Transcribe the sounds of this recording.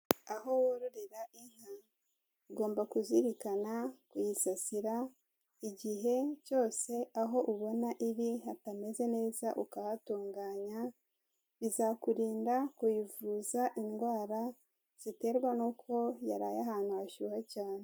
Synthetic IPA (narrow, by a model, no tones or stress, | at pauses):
aɦo̞woɾuɾiɾaʔiŋ̥a | uɡo̞ːmbakuziɾikanakujisasiɾa | iɟiɦe̞co̞ːse̞aɦo̞ʔuβo̞naʔiβihatame̞ze̞ne̞ːzaʔukaβatuːŋɡaːɲa | βizakuɾiːndakujivuːzaʔinɡwaːɾa | z̥ite̞ːɾɡwanuːkʰo̞jaɾaːjaɦaːn̥huhaʃuːhacaːne